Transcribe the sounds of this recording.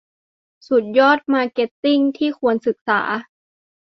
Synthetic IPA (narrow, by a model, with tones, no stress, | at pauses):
su˨˩t̪̚jɔː˥˩t̪̚maː˧ke˨˦˥t̪ːi˥˩ŋt̪ʰiː˥˩kʰu˧ənsɯ˨˩k̚sa̰ː˩˦